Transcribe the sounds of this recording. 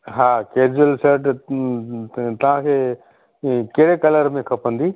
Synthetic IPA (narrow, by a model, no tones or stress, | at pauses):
ɦaːkeːd͡ʑuəlseːʈ | t̪ɐʋ̤ãkʰeː | kɐɦɽekɐləɾmẽkʰɐpə̃nd̪iː